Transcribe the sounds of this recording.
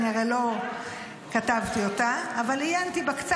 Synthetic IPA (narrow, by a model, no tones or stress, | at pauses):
niaʁelo̞ | kat̪avt̪iotaːvalijant̪ibakt͡s